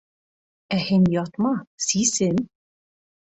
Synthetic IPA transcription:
æhɘnʲjɑt̪mɑsisɘn

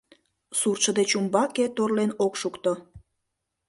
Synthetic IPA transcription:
surt͡ʃə̆d̪et͡ɕumbɑket̪orlenokʃukt̪o

